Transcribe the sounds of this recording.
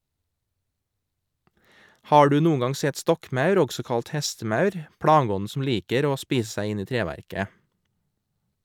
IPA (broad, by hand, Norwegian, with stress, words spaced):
ˈhɑː ˈɖʉː ˈnuːəŋ ˈɡɑŋ ˈsɛt ˈstɔkˌmɑʉɾ ˈɔɡsɔ ˈkɑlt ˈhɛstəˌmɑʉɾ ˈpɽɑːˌɡɔnn̩ sm̩ ˈliːkəɾ ˈoː ˈspiːs ˈsæɪ ˈɪn ˈiː ˈtɾeːʋæɾkə